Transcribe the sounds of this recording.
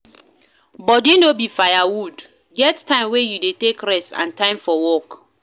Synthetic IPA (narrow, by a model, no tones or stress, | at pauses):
bɔtjunobifajawud | ɡɛttʰãɪ̃mwejudetekɹɛsã̰ntãɪ̃mfɔwɔk